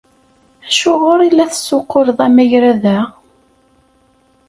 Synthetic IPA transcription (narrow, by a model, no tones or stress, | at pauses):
æʃʊʁʊɾˤilːæθəsːʊqːoɾðˤæmæjɾæðæ